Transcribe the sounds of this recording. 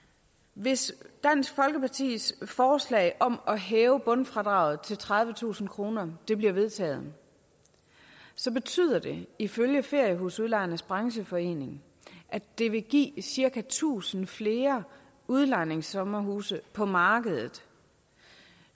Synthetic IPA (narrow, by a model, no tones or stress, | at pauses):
ʋe̝sd̥æn̰sɡ̥fɒ̽lɡ̥əpɑ̈t͡sʰḭːsfɒːslɛ̰ɪʔɒ̽mɒ̽ɦɛːʊəb̥ɔ̽nfʁɑ̈d̥ʁɑ̈ʊð̞̩ˠt͡sʰe̝lt͡sʰʁɑ̈ð̞ˠʋət͡sʰṵːsn̩kʰʁo̝ːnɐd̥e̝b̥liɐʋe̝ð̞ˠt͡sʰɛ̰ːð̞̩ˠ | sɒ̽b̥e̝t͡sʰy̰ð̞̰ˠɐd̥e̝iføljəfe̝ɐ̰jəɦosuðˠlɑ̈ɪɐnəsb̥ʁɑ̈ŋɕəfɒ̽e̝̰ːne̝ŋ | ʔæd̥e̝ʋe̝ɡ̥ḭːsiɐkʰæt͡sʰṵːsn̩fle̝ːɐ | uð̞ˠlɑ̈ɪ̰neŋsɒ̽mɐɦuːsəpʰɒ̽mɑ̈ːɡ̥əð̞̩ˠð̩ˠ